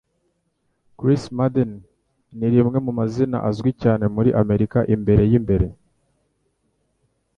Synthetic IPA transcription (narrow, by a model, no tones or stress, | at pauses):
kɾismadenː | iɾimŋe̞mumazina̰ʔazɡwicaːne̞muɾiʔame̞ɾikaʔimbe̞ɾe̞jimbe̞ɾe̞